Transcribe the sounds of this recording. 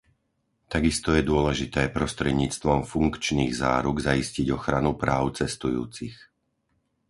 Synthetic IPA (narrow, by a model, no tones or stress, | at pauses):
t̪aɡist̪ɔjɛd̪ʊɔlɛʒit̪ɛːpɾɔst̪ɾɛd̪ɲiːt͡st̪ʋɔmfuŋkt͡ʃniːɣza̰ːɾuɡzaisciɟɔxɾanupɾaːʊt͡sɛst̪ujṵːt͡six